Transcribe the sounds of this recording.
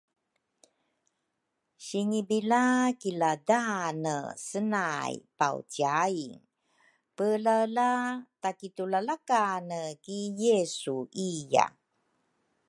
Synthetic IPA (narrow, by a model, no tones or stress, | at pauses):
ɕiŋibilakiladanəsənajpa̰w̰tiaiŋ | pəlalatakitulalakanəkijesuija̰